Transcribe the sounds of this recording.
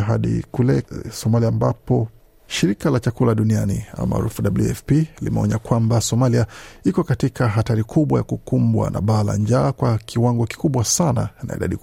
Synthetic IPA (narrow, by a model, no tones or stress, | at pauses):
ɦaɗḭkulɛsɔmaliaːmbapɔ | ʃiɾikalat͡ʃakulaɗunianḭa̰ma̰a̰ɾufuɗabluɛfpilḭmɛɔ̰ɲakwambasɔmaliaikɔkatikʰaɦataɾikʰuɓwaja̰kukumbwa̰nʔa̰ɓala̰ɲd͡ʒaːkwakʰiwaŋɡɔki̥kuɓwasana̰na̰ḭɗa̰ɗi